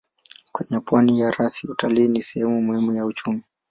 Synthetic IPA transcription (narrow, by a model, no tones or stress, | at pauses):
kwɛɲɛpwanijaɾasiutaliːnisɛhɛmumuhimujaut͡ʃumi